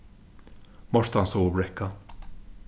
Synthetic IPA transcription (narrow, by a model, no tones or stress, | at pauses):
mɔʃt̪ɐnsoːbɾɛkːɐ